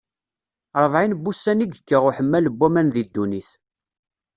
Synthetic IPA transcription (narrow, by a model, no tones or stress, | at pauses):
ɾˤəvˤʕinbːusːæniɡəkːəʁʊħəmːæləbːæmænðid̪ːuniθ